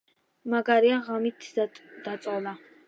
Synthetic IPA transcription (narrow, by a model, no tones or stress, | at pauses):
maɡaɾiaʁamit̪ʰd̪̥at̪sʼɔlˠa